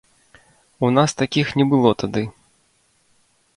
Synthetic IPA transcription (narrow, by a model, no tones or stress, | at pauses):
unast̪akʲixnʲɛbɨlˠɔt̪ad̪ɨ